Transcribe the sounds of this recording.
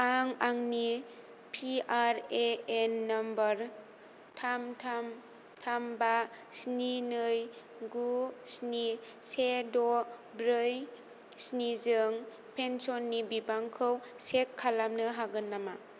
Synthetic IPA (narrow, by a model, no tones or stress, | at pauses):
aŋaŋni | pʰiaɾeenːambəɾ | tʰamtʰam | tʰamba | sninɯj | ɡusni | sedɔbɾɯj | snizɯŋ | pʰensɔnːibibaŋkʰɯwsekʰːalamnɯɦaɡɯnːama